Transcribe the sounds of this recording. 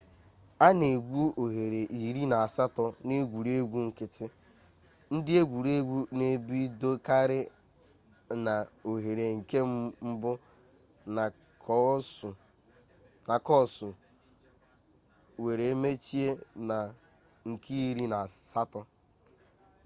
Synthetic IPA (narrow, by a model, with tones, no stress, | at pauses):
a˦ne˨ɡʷu˦o˨ɦe˨ɾe˨ʔi˨ɾi˦na˨a˨sa˦tɔ˦ne˦ɡʷu˨ɾe˦ɡʷu˦ŋ̩˨kɪ˦tɪ˦ | n̩˦dɪ˦e˦ɡʷu˨ɾe˦ɡʷu˦ne˨bi˦do˦ka˦ɾɪ˦ | na˨o˨ɦe˨ɾe˨ŋ̩˨ke˦m˦m̩˦bʊ˦˨ | na˨kɔ˦˨sʊ˨ | we˨ɾe˨e˦me˦t͡ʃi˦e˦na˨ | ŋ̩˨ki˦i˦ɾi˦na˨sa˦tɔ˦